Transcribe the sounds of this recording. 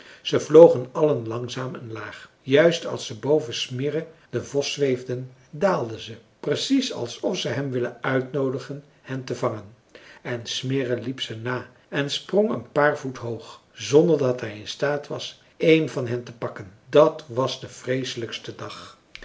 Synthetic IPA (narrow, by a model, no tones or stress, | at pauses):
z̥əvlowχənɑlənlɑŋzaːmɛnlaːχ | jœɥstɑ̰lˠsəbowvəsmɪrəd̥əvɔsʋejvdən | daːlˠdəzə | prəsisɑ̰lˠsɔfsəɦɛmʋɪlənœɥtnowdəχən | hɛntəvɑŋən | ɛnsmɪrəlipsənaː | ɛnsprɔŋə̰npaːrvutɦowχ | zɔndəɹdɑtɦɛjɪnstaːtʋɑs | ejnvɑnɦɛntəpɑkəndɑtʋɑzdəv̥rejsələkstədɑχ